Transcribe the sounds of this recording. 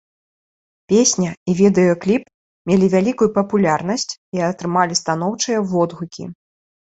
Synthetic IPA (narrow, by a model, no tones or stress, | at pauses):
pʲesʲnʲɐivʲid̪ɛjɐklʲip | mʲelʲivʲalʲikujupɐpulʲarn̪ɐsʲt͡sʲiɐt̪ɾɨmalʲist̪an̪ɔwt͡ʂɨjɐvɔd̪ɣukʲḭ